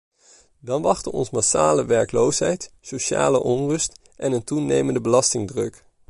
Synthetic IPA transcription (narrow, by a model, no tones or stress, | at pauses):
dɑnʋɑχtənɔ̰nsmasa̰ːləʋɛɹklowsɦɛjtsoʃa̰ːlə̰ʔɔnrɵst | ʔɛnəntunejməndəbəlɑstɪŋdrɵk